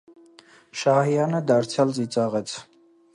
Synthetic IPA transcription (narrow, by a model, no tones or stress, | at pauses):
ʃɑhijɑnəd̪ɑɾt͡sʰjɑlzit͡sʼɑʁɛt͡sʰ